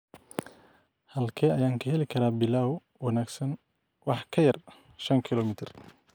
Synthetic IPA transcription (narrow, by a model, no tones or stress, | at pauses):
hɐlkʰɛːɐjaːŋkʰɐhɛlɪkʰɐɾaːbɪlaːwʊ | wɑnaːɡsɐn | wɑħkʰɐjɐr | ʃɐŋkʰɪlɔːmɪt̪ʰɪr